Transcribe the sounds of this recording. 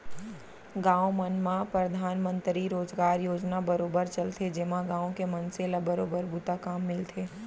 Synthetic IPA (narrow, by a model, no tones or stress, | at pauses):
ɡãːomənmãpɾɐd̪ʱaːnmə̃nt̪ɾiɾoːd͡ʒɡaːɾjoːd͡ʒnabɐɾoːbəɾt͡ʃɐlt̪ʰed͡ʒɪmãɡãːõkemɐnselabɐɾoːbəɾbuːt̪akaːmːɪlt̪ʰeː